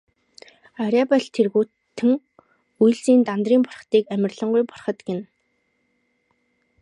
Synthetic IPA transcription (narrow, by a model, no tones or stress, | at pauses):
aɾʲapaɮt̪ʰerɣuː | t̪ʰːɘ̆ŋ | ujɮsiːnt̪ant̪riːmpɔrχt̪iːkæmʲɪ̆rɮɞ̆ɴɢujpɔrχə̆t̪ɡen